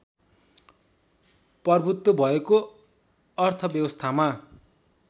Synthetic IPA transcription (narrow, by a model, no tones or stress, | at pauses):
pʌrbʱut̪wobʱʌeko | ʌrt̪ʰʌbjʌbʌst̪ʰama